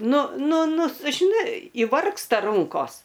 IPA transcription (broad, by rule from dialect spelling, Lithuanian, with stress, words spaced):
ˈnʊ ˈnʊ ˈnʊ s ʒʲɪˈnɐɪ iːˈʋɐrkstɐ ˈrʊŋkoːs